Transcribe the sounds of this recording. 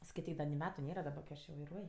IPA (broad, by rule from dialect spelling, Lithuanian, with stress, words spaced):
skɐɪˈtʲiːk dɐ nʲɪ ˈmʲæːtʊ ˈnʲeːrɐ dɐˈbɐ kɐɪ ˈɐʃ jɛʊ ʋɐɪˈruɔj